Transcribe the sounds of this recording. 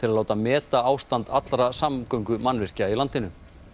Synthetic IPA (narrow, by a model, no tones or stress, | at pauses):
t̪ʰɪlalaːwt̪amɛːt̪aaːwst̪ant̪at̪lɾasamkœɥŋkʏmanːvɪr̥cailant̪ɪnʏ